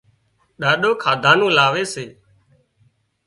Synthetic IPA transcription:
ɗaːɗoːkʰaːd̪ʱãːnũːlaːʋeːseː

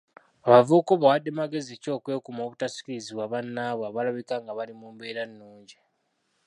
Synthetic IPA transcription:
aβavuːkoβawadːe̞maɡe̞zieco̞ːkwe̞ːkumo̞ːβutasi̥kiɾiziβwaβanːaːβwaβalaβikaŋɡaβalimuːmbe̞ːɾanːuːɲɟi

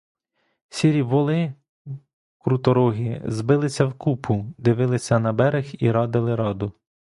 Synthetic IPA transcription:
sʲiɾʲiʋɔlˠɪ | kɾut̪ɔɾɔɦʲizbɪlˠɪsʲɐwkupʰʊd̪ɪʋɪlˠɪsʲɐnɐbɛɾɪxiɾɑd̪ɪlˠɪɾɑd̪ʊ

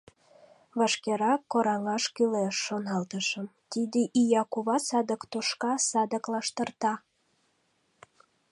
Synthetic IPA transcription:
βɑʃkeɾɑkːoɾɑŋɑʃkyleʃːonɑlt̪əʃə̆mt̪id̪eʔijɑkuβɑsɑd̪əkt̪uʃkɑsɑd̪əklɑʃt̪ərt̪ɑ

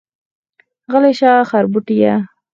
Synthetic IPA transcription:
ɣəleʃɑːχaɾbuʈija

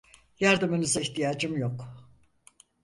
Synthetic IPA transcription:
jaɾd̪ɯmɯnɯzaiçt̪ʰijaːd͡ʒɯmjok

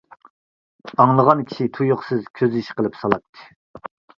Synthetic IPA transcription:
ɑŋlˠəʁɑnkʲʰi̥ʃit̪ʰujoχsɪzkʲʰøziʃqʰəlˠɨpsɑlˠɑp̚t̪ʰːɨ̥

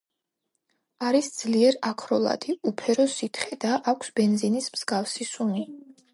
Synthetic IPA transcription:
aɾisd̪z̥liɛɾakʰɾɔlˠa̰d̪ʰiupʰɛɾɔsit̪ʰχɛd̪aʔːkʷʰsbɛnzinismz̥ɡafsisuni

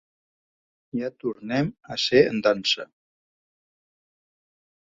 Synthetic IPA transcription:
jat̪uɾnɛməseə̰nd̪ansə

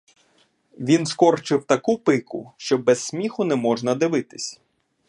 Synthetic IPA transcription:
ʋʲinskɔrt͡ʃɪwt̪ɐkupɪkʊ̰ʃt͡ʃɔbɛsʲsʲmʲixʊnɛmɔʒnɐd̪ɪʋɪt̪ɪ̥sʲ

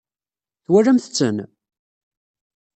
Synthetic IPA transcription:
θwærːæmθət͡sːən

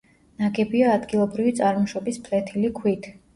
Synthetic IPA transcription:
naɡɛbiaːd̪ɡilˠɔbɾivit̪sʼaɾmɔʃɔbispʰlɛt̪ʰilikʰwit̪ʰ

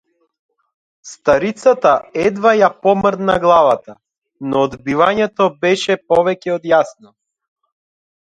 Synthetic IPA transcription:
st̪aɾit̪sat̪aɛd̪vajapɔmrd̪naɡlˠavat̪a | nɔːd̪bivaɲɛt̪ɔbɛʃɛpɔvɛcɛɔd̪jasnɔ

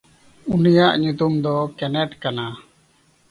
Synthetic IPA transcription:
unijaʔɲut̪umd̪ɔkɛnɛʈkana

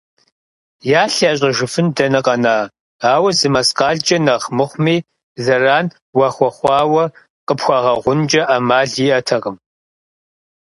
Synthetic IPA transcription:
jaːɬaːɕʼɐʒɪfɨndɐnɨqʼɐnaː | aːwɐzɨmɐsqɑːɮd͡ʒʼɐnɐχmɨχʷmiː | zɐraːn | wɐχʷɔχʷɑːwɐ | qəpxʷɑʁɐʁʷʊnd͡ʒʼɐʔamaːɮiːʔɐtʰɐʁəm

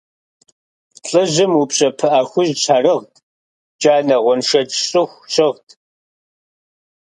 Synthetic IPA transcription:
ɬʼɨʒɨmupɕʼɐpʰɨʔaːxʷʊʒt͡ʃʰaːrɨʁtʰʼ | d͡ʒaːnɐʁʷɔnʂɐtɕʼɨxʷɕɪʁtʰ

